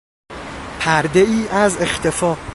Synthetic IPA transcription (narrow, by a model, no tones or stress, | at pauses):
pʰæɾd̪e̞iːʔæze̞xt̪ʰe̞fɒː